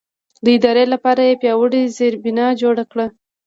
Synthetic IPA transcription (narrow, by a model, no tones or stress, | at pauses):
d̪əɪd̪ɑɾelapɑɾajepjɑwəɽizeɾbɪnɑd͡ʒoɽakɽa